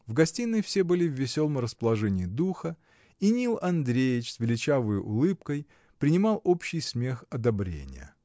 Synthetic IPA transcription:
vɡɐsʲtʲinːɨjfsʲebɨlʲɪvʲːɪsʲo̞lˠəmrəspəlˠɐʐɛnʲɪːd̪uxə | inʲilˠɐnd̪ɾʲejɪt͡ɕsvʲɪlʲɪt͡ɕavɨjʔʊ̰lˠɨpkəj | pɾʲɪnʲɪmɑlˠo̞pɕːɪjsʲmʲe̞xɐd̪ɐbɾʲḛnʲɪ̰jə̰

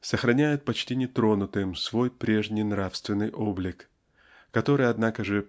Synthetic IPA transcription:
səxɾɐnʲæjɪt̪̚pɐt͡ɕtʲinʲɪt̪ɾo̞nʊt̪ɨmsvo̞jpɾʲe̞ʐnʲɪjnɾafst̪vʲɪnːɨjʔo̞blʲɪkː | ɐt̪o̞ɾɨjɐd̪nakəʐɨ

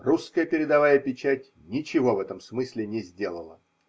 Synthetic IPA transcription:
ruskəjəpʲɪɾʲɪd̪ɐvajəpʲɪt͡ɕætʲ | nʲɪt͡ɕɪvo̞vɛt̪əmsmɨsʲlʲɪnʲɪzʲdʲe̞lˠəlˠə

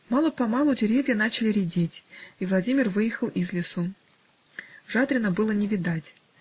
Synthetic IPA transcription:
mɑlˠəpɐmɑlˠʊdʲɪɾʲevʲjən̪at͡ɕɪlʲɪɾʲɪdʲetʲivlˠɐdʲimʲɪrvɨjɪxəlˠizlʲɪsu | ʐad̪ɾʲɪnəbɨlˠənʲɪvʲɪd̪atʲ

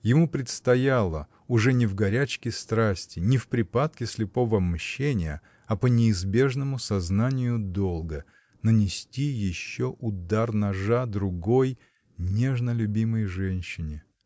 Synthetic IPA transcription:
jɪmupɾʲɪt̪st̪ɐjalˠə | ʊʐɛnʲɪvɡɐɾʲæt͡ɕkʲɪst̪ɾasʲtʲɪnʲɪfpɾʲɪpat̪kʲɪsʲlʲɪpo̞vəɐbmɕːenʲɪjə | ɐpənʲɪːzbʲe̞ʐnəmʊsɐznanʲɪjʊd̪o̞lˠɡə | nənʲɪsʲtʲijɪɕːoʔʊd̪arnɐʐad̪ɾʊɡoj | nʲeʐnəlʲʊbʲiməjʐɛnʲɕːɪnʲɪ

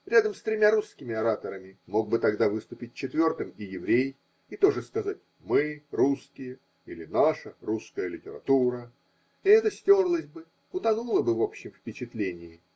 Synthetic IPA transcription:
ɾʲad̪əmst̪ɾʲɪmʲaɾuskʲɪmʲɪɐɾat̪əɾəmʲɪmo̞ɡ̚bɨt̪ɐɡd̪avɨst̪ʊpʲɪt̚ʲt͡ɕːɪt̪vʲo̞rt̪ɨmɪjɪvɾʲej | ɪt̪o̞ʐɨskɐzat̚ʲ | mɨruskʲɪjə | ilʲɪnaʂəɾuskəjəlʲɪtʲɪɾɐ̰t̪uɾə | ɪɛt̪əsʲtʲo̞rlˠəsʲbɨ | ʊt̪ɐnulˠəbɨvo̞pɕːɪmfpʲɪt͡ɕɪt̪lʲenʲɪjɪ

